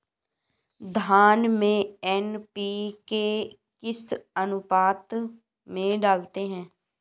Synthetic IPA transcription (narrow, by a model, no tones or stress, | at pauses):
d̪ʱaːnmẽːɛːnpiːkeː | kɪsənʊpaːt̪ | mẽːɖaːlt̪eːɦɛ̃ː